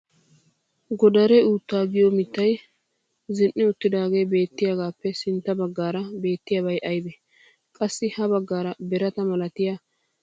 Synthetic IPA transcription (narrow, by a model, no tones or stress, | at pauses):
ɡɔd̪ɐɾɛuːt̪ːaːɡɪjɔmɪt̪ːɐj | zɪnʔːɪʊt̪ːɪd̪aːɡe̞jbe̞ːt̪ːɪjaɡaːpːɛsɪnt̪ːɐbɐɡːaːɾɐbe̞ːt̪ːɪjabɐjʔɐjbɛ | kʼɐsːɪhɐbɐɡːaːɾɐbɛɾɐt̪ɐmɐlɐt̪ɪja